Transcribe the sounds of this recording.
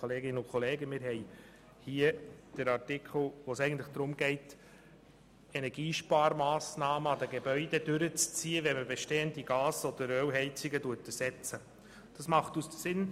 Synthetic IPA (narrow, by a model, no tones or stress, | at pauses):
oleːɡɪnəʊkʰɔleːɡəmɪɾɦɛɪ | hiːəd̥əɾɑɾtɪkʰl̩ʋoːsɛɪɡən̩tlɪχd̥ɾʊmɡɛɪt | ɛnɛɾɡiːʃpɑːɾmɑːsnɑːməɑdəɡebœʏdɛdʏɾət͡st͡siːəʋɛməbeʃteːəndiɡɑːsɔd̥̪əɾœwɦɛɪt͡sɪɡəduətəsɛt͡sə | d̥ɑsmɑχtustəsɪn